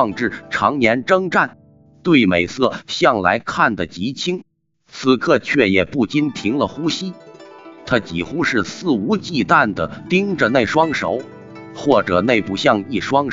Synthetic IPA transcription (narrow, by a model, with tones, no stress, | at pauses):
ŋʈ͡ʂɻ̩˥˩ʈ͡ʂʰɑ˧˥ŋnjɛ˧˥nʈ͡ʂɤ˥ŋʈ͡ʂa˥˩n | t̪we˥˩ɪme˨˩ɪsɤ˥˩ɕjɑ˥˩ŋla̰˧˥ɪkʰa˥˩nd̪ə˩t͡ɕi˧˥t͡ɕʰi˥ŋ | t͡sʰɹ̩˧kʰɤ˥˧t͡ɕʰɥɛ˥˩jɛ˨˩pu˥˩t͡ɕi˥nt̪ʰi˧˥ŋlə˨xu˥ɕi˥t̪ʰa˥t͡ɕi˨˩xu˥ʂɻ̩˥˧sɹ̩˥˩u˧˥t͡ɕi˥˧t̪a˥˩nd̪ə˩t̪i˥ŋʈ͡ʂə˨ne˥˩ɪʂwɑ˥ŋʂo̰˧˥ʊ | xwɔ˥˩ʈ͡ʂɤ˨˩ne˥˧ɪpu˥˩ɕjɑ˥˧ŋi˥˩ʂwɑ˥ŋ